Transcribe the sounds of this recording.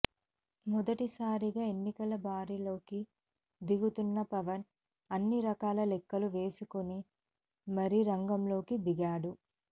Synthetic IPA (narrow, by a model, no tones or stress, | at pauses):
mɔd̪ɐʈisaːɾiɡaːe̞nːikɐlɐbʱaːɾilo̞ːki | d̪iɡut̪unːɐpɐʋɐn | ɐnːiɾɐkaːlɐlɛkːɐluʋe̞ːsukoni | mɐɾiɾɐŋɡɐmlo̞ːkid̪iɡaːɽu